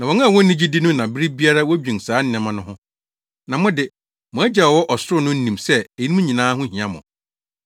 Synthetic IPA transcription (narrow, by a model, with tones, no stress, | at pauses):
nã˨wɔ˨˦ñ˦a˨wɔ̃˦n̩˦nĩ˦d͡ʑi˦di˦nʊ̃˦nã˨bɪ˦ɾi˦bi˦a˦ɾa˦wɔ˦d͡ʑᶣĩ˨n˨saː˨˦n̩˦˨ɛ̃˨mã˦nʊ̃˦hʊ̃˦ | nã˨mʊ̃˦dɪ˦ | mʊ̃˨æ˦d͡ʑa˨wɔ˦ʔɔ˨sʊ˦ɾʊ˦nʊ̃˦n̩˦nĩ˨msɛ˦e˨i˦ĩ˦ɲĩ˨nãː˦ɦʊ̃˦ɦĩ˨ã˦mʊ̃˨